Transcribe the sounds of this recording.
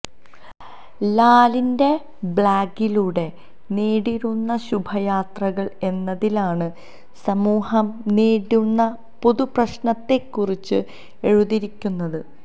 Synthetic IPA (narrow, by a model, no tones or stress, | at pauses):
laːlinde̞ | bɭaːɡiluːɽe̞ | neːɽiɾunːɐɕubʱɐjaːt̪rɐɣɐɭe̞nːɐðilaːɳɨ | sɐmuːhɐmneːɽunːɐ | po̞ðuprɐɕɳɐt̪ːe̞kːurit͡ɕːɨ | e̞ɻuðiɾikʲːunːɐðɨ